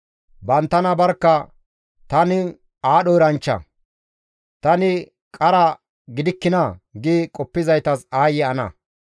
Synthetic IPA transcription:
bɐnt̪ːɐnɐbɐɾkːɐ | t̪ɐnɪ | aːɗɔɪɾɐnt͡ʃːɐ̰ | t̪ɐnɪ | kʼɐɾɐ | ɡɪd̪ɪkːɪnɐɡɪkʼɔpːɪzɐjt̪ɐsaːjɛɐnɐ̰

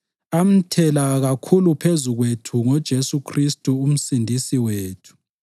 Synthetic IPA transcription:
am̩tʰɛlaɣakʰulupʰezuɣwetʰuŋɔd̥ʒ̥ʱesukʰristʼuːm̩sindʱisiweːtʰu̥

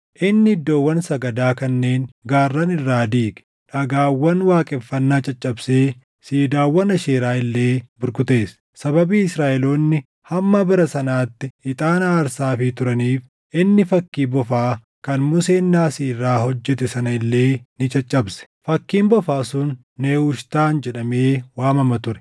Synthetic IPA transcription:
ʔɪnːɪɪd̪ːoːwːɐnsɐɡɐd̪aːkɐnːe̞ːnɡaːrːɐnɪrːaːd̪iːkʼɛ̥ | ᶑɐɡaːwːɐnwaːkʼɛfːɐnːaːt͡ʃʼɐt͡ʃʼːɐbseː | siːd̪aːwːɐnɐʃeːɾaːɪlːe̞ːbʊɾkʊt̪e̞ːs | sɐbɐbiːɪsɾaːʔɛloːnːɪ | hɐmːɐbɪɾɐsɐnaːt̪ːɪɪt̪ʼaːnɐːɾsaːfɪt̪ʊɾɐniːf | ʔɪnːɪfɐkːiːbɔfaː | kɐnmʊseːnːaːsiːrɾaːhɔd͡ʒːɛt̪ɛsɐnɐɪlːe̞ːnɪt͡ʃʼɐt͡ʃʼːɐbsɛ̥fɐkːiːmbɔfaːsʊnː | eːʊʃt̪aːnd͡ʒɛᶑɐmeːwaːmɐmɐt̪ʊɾɛ̥

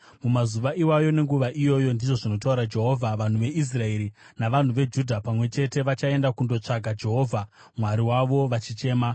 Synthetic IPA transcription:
mumazuʋaʔiwajo̞ne̞ŋɡuʋaʔijo̞jo̞ndiʐo̞ʐino̞tauɾad͡ʒe̞ɦo̞ːvʱaʋan̤uʋe̞ʔis̬rae̞ɾi | naʋan̤uʋe̞d͡ʒudʱapamwe̞t͡ʃe̞te̞ʋat͡ʃae̞ndakundo̞t͡ʂaɡʱad͡ʒe̞ɦo̞ːvʱa | mwaɾiwaʋo̞ʋat͡ʃit͡ʃe̞ːma

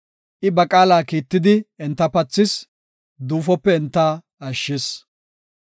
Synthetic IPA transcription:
ʔɪbɐkʼaːlaːkiːt̪ːɪd̪ɪɛnt̪ːɐpɐt͡sːɪs | d̪uːfɔpːɛɛnt̪ːa | ɐʃːɪs

